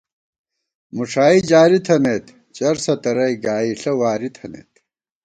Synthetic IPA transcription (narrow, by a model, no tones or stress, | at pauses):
muʂaːid͡ʑaːɾit̪ʰɐneːt̪ | t͡ɕɐɾsɐt̪ɐɾɐjɡaːiɬɐwaːɾit̪ʰɐnḛːt̪